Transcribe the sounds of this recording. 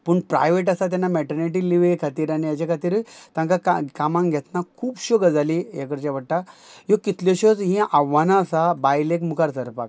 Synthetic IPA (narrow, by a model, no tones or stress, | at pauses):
puɳpɾa̰jʋeʈ̬asat̪janːamɛʈəɾniʈ̬iliʋekʰat̪iːɾanijad͡ʑakʰat̪iɾt̪ãŋkakakamãŋɡʱɛt̪nakʰuːbɕoɡəd͡zalijekəɾt͡ɕaʋəɽʈajokit̪loɕot͡sɦĩʔaʋanaːsabajlekmukaɾt̪əɾpa̰k